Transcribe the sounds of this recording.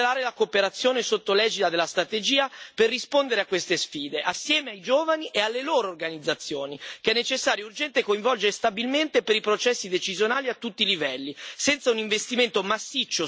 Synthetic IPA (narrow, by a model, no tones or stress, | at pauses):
laːɾelakoːpeɾat̪sːjoːnesot̪ːolɛːd͡ʒit̪ad̪elast̪ɾat̪ed͡ʒiːaperːispond̪eɾeakːwest̪esfiːd̪eʔasːjɛːmeajd͡ʒoːvaniʔealːeloːɾoːrɡanid̪zːat̪sːjoːnikɛnːet͡ʃesːaːɾjourd͡ʒɛnt̪ekoiɱvɔld͡ʒeɾest̪abilment̪epeɾipɾot͡ʃɛsːid̪et͡ʃizjonaːliat̪ːut̪ːilivɛlːisɛnt̪sauniɱvest̪iment̪omasːit͡ʃːo